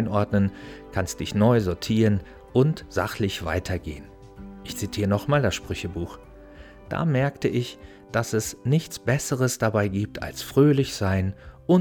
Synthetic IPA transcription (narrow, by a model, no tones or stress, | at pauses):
nʔɔɐdnənkʰanstd̥ɪçnɔʏzɔɐtʰiːʁən | ʔʊntz̥a̰χlɪçv̥a̰ɪtʰɐɡḛːən | ʔɪçt͡sitʰiːʁənɔχmaːldasʃpʁ̥ʏçəbuːx | d̥a̰ːmɛɐktəʔɪç | d̥asɛsnɪçt͡sb̥ɛsəʁəsd̥abaɪɡiːp̚tʰa̰lsfʁ̥øːlɪçz̥aɪnʔʊ